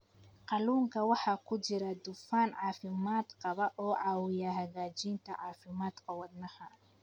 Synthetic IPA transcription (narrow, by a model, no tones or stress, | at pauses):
qɑluːŋkʰɐwɑħɑːkʰʊt͡ʃɪɾɐd̪ʊfaːnʕɑːfɪmaːd̪qɑβɐʔɔːʕɑːwɪjɐɦɐɣaːt͡ʃiːnt̪ʰɐʕɑːfɪmaːd̪kʰɐwɑd̪nɐhɐ